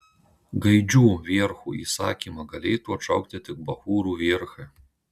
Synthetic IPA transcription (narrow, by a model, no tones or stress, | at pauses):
ɡɐɪd͡ʒʲuːʋʲiːɾxuḭsɑ̰ːkʲimɐɡɐlʲɛjt̪uɔt͡ʃɐʊk̚t̪ʲɪt̪ʲɪk̚bɐxuːɾuʋʲiːɾxɨ